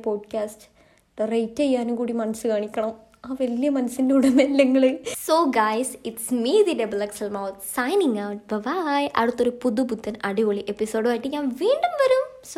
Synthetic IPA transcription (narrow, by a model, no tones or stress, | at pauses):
poːɖkʲaːsʈ | d̪ɐrɐjtːejːaːnukuːɽimɐnɐsːɨkaːɳikʲːɐɳɐm | aːʋɐlijɐmɐnɐsːindeuɽemelːɐŋːɐɭɨsoːɡajsiʈsmiːðiɾɐbɐlɐksɐlmawt̪sɐjniŋɡɐwʈ̚ʋɐʋajʔɐ̰ɽut̪ːoɾupuðubud̪ːɐnɐɽiʋoɭiʔepːisoːɖɨʋaːjiʈːɨɲãːnʋiːɳɖumʋɐɾums